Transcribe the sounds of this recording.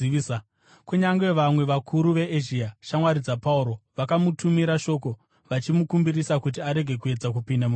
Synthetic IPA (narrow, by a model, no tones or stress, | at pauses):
a | kuɲaŋɡe̞ʋamwe̞ʋakʰuɾuʋe̞ʔeʒiaʃamwaɾid͡zapauɾo̞ʋakamutʰumiɾaʃo̞ko̞ | ʋat͡ʃimukumbiɾisakut̬iaɾe̞ɡʱe̞kue̞d͡zak̬upindamu